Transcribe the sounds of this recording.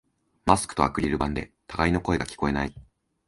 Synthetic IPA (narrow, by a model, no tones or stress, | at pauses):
masɨ̥kɯ̥o̞a̰kɯ̟ɾʲiɾɯ̟bãnd̪e̞̰t̪aɡaino̞ko̞eɡakʲi̥ko̞e̞nai